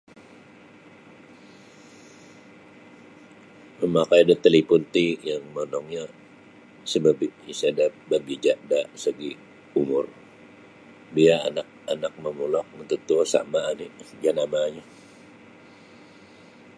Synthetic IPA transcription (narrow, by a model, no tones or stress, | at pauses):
məmakajdət̪əlipunt̪ijaŋmɔnɔŋɲa | səbabiisadap̪̚baɡid͡ʒaʔdasəɡi | umʊr | bia̰ːnak̚anak̚məmulɔk̚mənt̪ut̪usa̰maːnid͡ʒanamaɲa